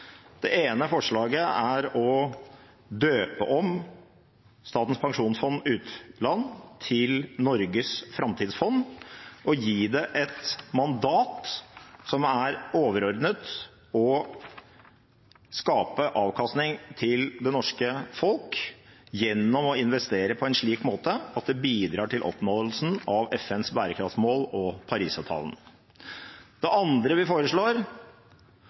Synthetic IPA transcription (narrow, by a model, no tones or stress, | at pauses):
d̪̥ɛʔeːnəfɔʂɭɑːɡəæɾɔ | d̪øːpəʔɔm | st̪ɑːt̪ən̩spʰɑŋʂuːnsfɔnːʉːt̪lɑnːt̪ʰɪlnɔɾɡəsfɾɑmt̪ʰiːd̪sfɔnːʔɔjiːd̪ɛʔɛt̪mɑnd̪ɑːt̪sɔmæɾoːʋəɾɔɾd̪nət̪ | ɔ | skɑːpəʔɑːʋkʰɑst̪nɪŋt̪ʰɪld̪ɛnɔʂkəfɔlkjɛnːɔmɔɪnʋɛst̪eːɾəpʰɔɛnʂɭiːkmoːt̪əɑt̪̚d̪ɛbiːd̪ɾɑːʈʰɪlʔɔ̰pnoːd̪l̩sn̩ɑʋɛfɛnsbæːɾəkʰɾɑft̪smoːlɔpʰɑɾiːsɑʋt̪ʰɑ̰ːln̩ | d̪̥ɛʔɑnd̪ɾəʋɪfoːɾəʂɭoːɾ